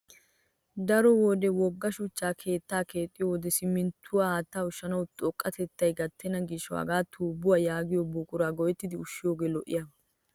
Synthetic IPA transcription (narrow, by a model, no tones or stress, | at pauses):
d̪ɐɾɔwɔːd̪ɛwɔɡːɐʃʊt͡ʃːaːkʰe̞ːt̪ːaːkʰe̞ːt̪ʼːɪjowd̪ɛsɪmːɪnt̪ʰːʊwaːaːt̪ːaːʊʃːɐnɐwt̪ʼɔkʼːɐt̪ɛt̪ːɐjɡɐt̪ʰːɛnɐɡiʃɔwa̰ːɡaːt̪ʰuːbʊwaːjaːɡɪjɔbuːkʼʊɾaːɡɔjɛt̪ːɪd̪ɪʊʃːɪjoːɡeːlɔʔɪjɐ